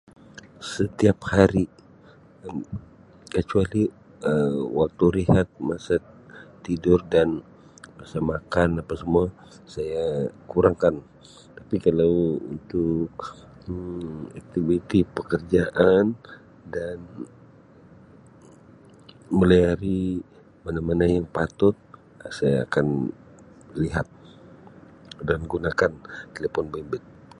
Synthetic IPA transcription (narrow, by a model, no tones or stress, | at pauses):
sət̪iaphaɾi | kət͡ʃuali | əwak̚t̪uɾiɦat̪̚masa | t̪idʊrdan | masamakanapasəmua | sajakuɾaŋkan | t̪apikalawṵnt̪ʊk | ak̚t̪ivit̪ipəkərd͡ʒaʔan | dan | məliaɾi | manamanajaŋpat̪ʊt̪̚ | asaja̰ːkan | liɦat̪̚ | danɡunakant̪elepɔnbɛmbɛt̪̚